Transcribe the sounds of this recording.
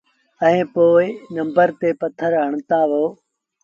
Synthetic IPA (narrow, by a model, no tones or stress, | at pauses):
ə̃ẽːpoːɪnə̃mbəɾt̪eːpət̪ʰəɾɦəɳ̃t̪aːɦoː